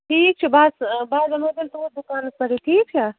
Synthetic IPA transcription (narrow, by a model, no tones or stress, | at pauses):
ʈʰiːk̚t͡ʃʰubasbaːzɐmɐd̪ɐlt̪oːɾ̚d̪ukaːnɐspɐɾiʈʰiːk̚t͡ʃʰa